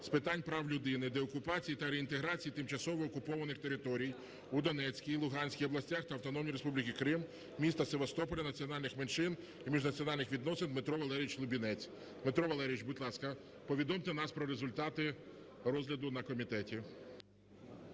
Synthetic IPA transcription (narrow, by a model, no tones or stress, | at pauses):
spɪt̪ɑnʲpɾɑwlʲʊd̪ɪnɪd̪eɔkʊpɑt͡sʲijit̪ɐɾeint̪eɦɾɑt͡sʲijit̪ɪmt͡ʃɐsɔʋɔːkʊpɔʋɐnɪxt̪eɾɪt̪ɔɾʲij | ud̪ɔnɛt͡sʲkʲijlˠʊɦɑnʲsʲkʲijɔblˠɐsʲtʲaxt̪ɐɐwt̪ɔnɔmnʲiɾespublʲikʲikɾɪm | mʲist̪ɐseʋɐst̪ɔpɔlʲɐnɐt͡sʲiɔnɑlʲnɪxmenʃɪn | imʲiʒnɐt͡sʲiɔnɑlʲnɪxʋʲid̪nɔsɪnmet̪ɾɔʋɐlˠɛɾʲjit͡ʃlˠʊbʲinɛt͡sʲ | met̪ɾɔʋɐlˠɛɾʲijʲit͡ʃbʊdʲlˠɑskɐ | pɔʋʲid̪ɔmt̪enɑspɾɔɾezʊlʲt̪ɑt̪ɪ | ɾɔzlʲɐd̪ʊnɐkɔmʲit̪ɛtʲi